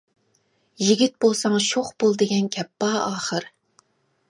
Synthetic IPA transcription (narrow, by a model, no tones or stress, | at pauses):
jiɡʲit̪̚bolˠsɑŋʃoχbolˠd̪ɪɡʲɛnkʲʰɛpːɑːɑːχəɾ